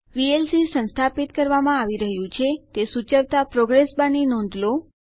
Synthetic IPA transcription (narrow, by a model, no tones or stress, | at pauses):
ʋielsisə̃nst̪ʰapit̪kəɾʋamãaʋiɾəɦjũt͡ʃʰet̪esut͡ʃəʋt̪apɾoɡɾesbãninɔ̃nd̪ʱlo